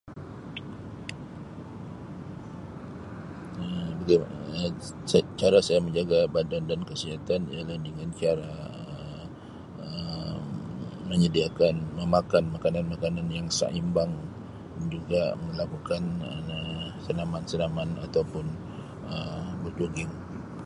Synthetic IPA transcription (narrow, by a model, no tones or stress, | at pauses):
əbəɡa | st͡ʃaɾasajaməɲd͡ʒaɡabandandankəsiɦat̪anḭaladəŋant͡ʃaɾaə | ə | məɲədiakanməmakanmakananmakananjaŋsa̰ʔimbaŋ | nd͡ʒuɡaməlakukanəsənamansənamana̰t̪awpʊn | əmbərd͡ʒoɡɪŋ